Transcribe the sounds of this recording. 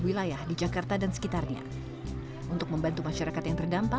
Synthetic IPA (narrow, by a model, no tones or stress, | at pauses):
wilajahdid͡ʒakart̪adansə̥kit̪arɲa̰ | ʔunt̪ʊk̚məmbant̪umaʃaɾakat̪jaŋt̪ərdampa